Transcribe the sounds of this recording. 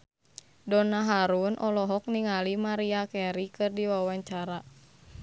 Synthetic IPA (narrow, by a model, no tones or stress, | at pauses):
dɔnaɦaɾunʔɔlɔɦɔk̚niŋalimaɾiakɛɾikɨrdiwawaɲt͡ʃaɾa